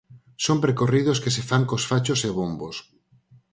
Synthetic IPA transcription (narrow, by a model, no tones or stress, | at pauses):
sompɾekoriðoskesefaŋkosfat͡ʃoseβombos